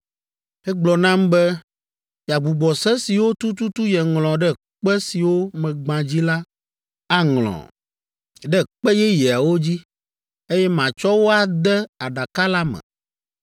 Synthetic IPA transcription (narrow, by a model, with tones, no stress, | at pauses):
ɛ˦ɡ͡blɔ˨nã˦mbɛ˦ | ja˨ɡ͡bu˨ɡ͡bɔ˨sɛ˦si˨wo˦t̪u˦t̪u˦t̪u˦jɛ˨ŋl̃ɔ̃˨ɖɛ˦ | k͡pɛ˦si˨wo˦mɛ̃˨ɡ͡bã˨d͡ʑi˦la˦ | a˦ŋlɔ̰̃˨ | ɖɛ˦k͡pɛ˦jɛ˦jɛ˨a˨wo˦d͡ʑi˦ | e˦jɛ˦mã˨t͡ʃɔ˦wo˦a˨d̪ɛ˦a˨ɖa˨ka˦la˦mɛ̰̃˨